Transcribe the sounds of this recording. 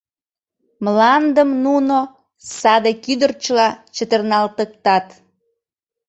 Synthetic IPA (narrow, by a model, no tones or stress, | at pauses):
mlɑnd̪əmnuno | sɑd̪ekyd̪ərt͡ɕəlɑt͡ɕət̪ərnɑlt̪ək̚t̪ɑt̪